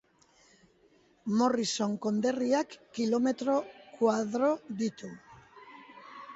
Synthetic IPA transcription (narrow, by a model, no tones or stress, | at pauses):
mo̞riso̞ŋko̞nd̪e̞riakːilo̞me̞t̪ɾo̞kwaðɾoðit̪u